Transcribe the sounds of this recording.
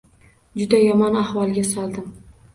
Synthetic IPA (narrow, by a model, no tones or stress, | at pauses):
d͡ʒʊd̪ajɒmɒnahvɒlˠɡʲasɒlˠd̪ɪm